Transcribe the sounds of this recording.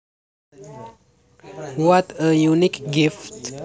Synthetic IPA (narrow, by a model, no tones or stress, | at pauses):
wɔtəjunikɡɪft